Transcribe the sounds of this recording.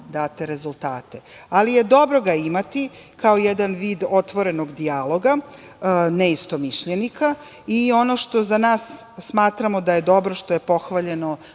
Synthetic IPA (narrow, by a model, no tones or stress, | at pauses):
d̪aːt̪eɾezulˠt̪aːt̪ealije̞d̪o̞bɾo̞ɡaimat̪i | kaojɛd̪anʋiːd̪o̞t̪ʋo̞ɾe̞no̞ɡd̪ialˠo̞ɡa | neist̪o̞miʃʎenika | io̞no̞ʃt̪o̞zanaːsːmaːt̪ɾamo̞d̪aje̞d̪o̞bɾoʃt̪oje̞po̞xʋaʎe̞no̞